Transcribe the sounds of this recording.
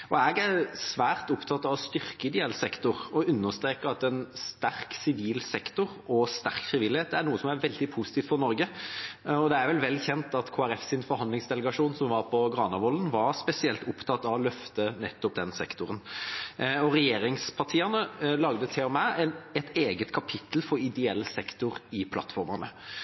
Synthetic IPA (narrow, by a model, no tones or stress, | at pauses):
ɔæːɡæɾsʋæːʁt̪ʊpt̪ʰɑt̪ːɑʋɔst̪ʏɾkəɪd̪ɪɛlsɛkt̪ʊɾɔʉnːəst̪ɾeːkəɑt̪ɛnst̪æɾksɪʋiːlsɛkt̪ʊɾɔst̪æ̰ɾkfɾɪʋɪlːɪheːt̪̚d̪ɛæɾnuːəsɔmæɾʋɛld̪ɪpʰusɪt̪iːft̪fɔɾnɔɾɡə | ɔd̪ɛæɾʋɛlʋɛlːçɛnt̪ɑt̪kʰoːæɾɛfsɪnfɔɾhɑnd̪lɪŋsd̪ɛləɡɑʂuːnsɔmʋɑɾpʰɔɡɾɑːnɑʋɔlːənʋɑɾspɛsɪɛlt̪ʊpt̪ʰɑt̪ːɑʋɔlœft̪ənɛt̪ːɔp̚d̪ɛnsɛkt̪ʊɾən | ɔɾɛjeːɾɪŋspʰɑt̪ʰiːɛnəlɑɡd̪ət̪ʰɛɔmæɛnɛt̪eːɡət̪kʰɑpʰɪt̪l̩fɔɾɪd̪ɛɛlːəsɛkt̪ʊɾɪpʰlɑ̰t̪fɔɾmɑʁnə̰